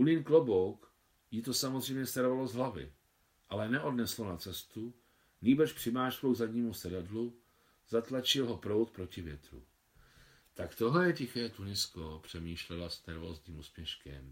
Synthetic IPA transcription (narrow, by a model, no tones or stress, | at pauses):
ʔulɪnklobowk | jit̪o̞samozr̝ɛjmɲɛst̪aɾovalo̞zɦlavɪ̰ | ʔalɛnɛʔo̞dnɛslonat͡sɛst̪u | niːbɛʃpr̝̥ɪmaːʃkowɡzadɲiːmusɛdadlu | zat̪lat͡ʃɪlɦo̞pɾo̞wt̪̚pɾo̞cɪvjɛt̪ɾṵ | t̪akt̪oɦlɛjɛcɪxɛːt̪unɪskopr̝̥ɛmiːʃlɛlasnɛɾvo̞ːzɲiːmusmjɛʃkɛ̰m